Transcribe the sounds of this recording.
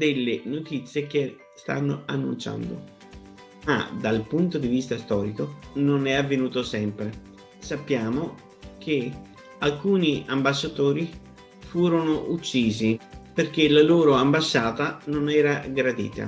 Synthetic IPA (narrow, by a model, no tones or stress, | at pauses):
d̪elːenot̪it̪sːjek̟e | st̪a̰nːoanːṵnt͡ʃa̰nd̪o̰ | ma̰d̪alpunt̪od̪ivist̪ast̪ɔːɾikononɛavːenuːt̪osɛmpɾe | sapːjaːmo | k̟ʰe | alkuːniambasːat̪oːɾi | fuːɾonoʔut͡ʃːiːziperk̟elaloːɾoambasːaːt̪anonɛːɾaɡɾad̪ḭːt̪a̰